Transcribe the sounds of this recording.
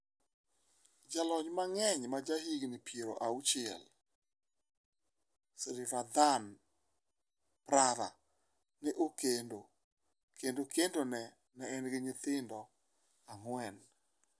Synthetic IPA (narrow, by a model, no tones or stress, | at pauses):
d͡ʒalɔɲmaŋɛɲmad͡ʒahiɡnɪpjeɾoʔaut͡ʃɪɛ̰l | sɾɪfad̪an | pɾaða̰ | nɪʔokendo | kendokendonɛ | nɛɛnɡɪɲɪt̪ɪndɔ | aŋwɛn